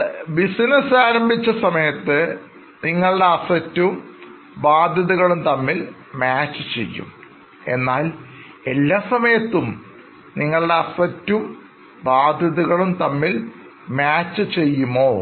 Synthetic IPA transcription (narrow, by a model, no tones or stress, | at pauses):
bisnɐsaːɾɐmbʱit͡ɕːɐsɐmɐjɐt̪ːɨ | niŋːɐɭɨɽe̞ɐsɐtːum | baːd̪ʱjɐðuɣɐɭumt̪ɐmːil | maːt͡ɕːɨt͡ɕe̞̰jːṵm | e̞̰nːaːl | e̞lːaːsɐmɐjɐt̪ːum | niŋːɐɭɨɽeɐsɐtːum | baːd̪ʱjɐðuɣɐɭumt̪ɐmːil | maːt͡ɕːɨt͡ɕe̞jːumo̞ː